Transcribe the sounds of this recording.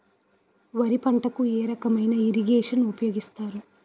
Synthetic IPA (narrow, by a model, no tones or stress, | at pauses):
ʋɐɾipɐɳʈɐkueːɾɐkɐmɐjnɐiɾiɡeːʂɐnupɐjo̞ːɡist̪aːɾu